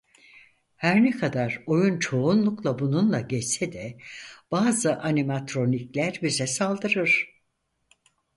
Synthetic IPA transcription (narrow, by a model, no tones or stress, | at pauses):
hæɾnɛkʰad̪aɾo̞junt͡ʃʰo̞unlˠuklˠabununlˠaɟɛsɛd̪ɛb̥aːzɯʔanimat̪ɾo̞niclʲæɾbizɛsalˠd̪ɯɾɯɾ̥